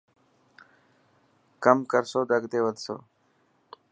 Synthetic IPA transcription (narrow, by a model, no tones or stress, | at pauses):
kəmkəɾsoːɖəɡd̪eːʋəd̪so̰ː